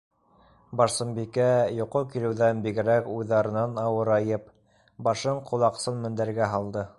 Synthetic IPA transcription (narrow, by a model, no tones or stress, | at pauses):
bɑɾsɤ̆mbikæjŏqokilɘ̆wðænbiɡɘ̆ɾækujðɑɾɤ̆nɑnɑwɤɾɑjɤp̚ | bɑʃɤɴqʰŏlˠɑqsɤnmɵ̆nd̪æɾɡæɦɑlˠd̪ɤ